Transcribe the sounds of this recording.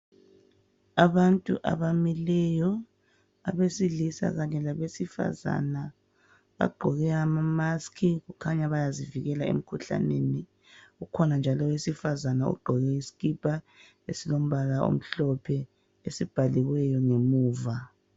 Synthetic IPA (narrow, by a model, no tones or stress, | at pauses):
aβantʼṵʔa̰βamilɛjɔ | aβesiɮisa̰ɣaɲɛlaβesifa̰za̰na | βa̰ɡ͡ǃʱɔɣɛamamaskʰiɣukʰaɲaβajaziviɣɛlaḛm̩kʰuɬa̰neni | ukʰɔnand͡ʒʱalɔwesifazanaṵɡ͡ǃʱɔɣɛisi̥ɣib̥ʱa | ḛsilom̩βalao̰m̩ɬɔpʰɛ | esib̥ʱaliɣwɛjɔŋemuːva